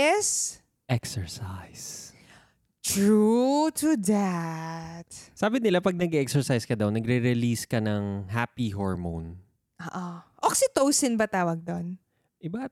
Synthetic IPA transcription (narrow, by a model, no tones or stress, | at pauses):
ʔɛs | ʔɛksɛɹsajs | t̪ɹut̪ʊd̪a | t̪̚saːbɪnɪlapɐɡ̚nɐɡɛʔɛksɛɹsajskɐd̪awnɐɡɾɛɾɛliskɐnɐŋɦaːpiɦoɹmo̰n | ʔoːʔoʔoksɪt̪owsɪnbɐt̪aːwɐɡ̚d̪on | ʔɪba